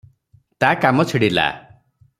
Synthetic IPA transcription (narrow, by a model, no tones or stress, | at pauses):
t̪akamɔt͡ʃʰiɽila̰